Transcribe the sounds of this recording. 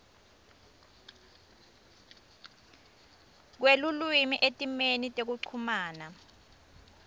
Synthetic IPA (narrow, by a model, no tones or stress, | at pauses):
k̬welulwimiʔetʼimenitʼek̬uǀʰumaːna